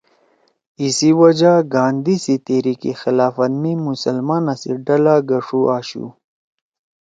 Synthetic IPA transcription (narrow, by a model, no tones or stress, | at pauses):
isiwad͡ʒaɡɑːnd̪isit̪eɾikixɪlaːfat̪mimʊsalmɑːnasḭɖalaɡaʂuʔaːɕṵ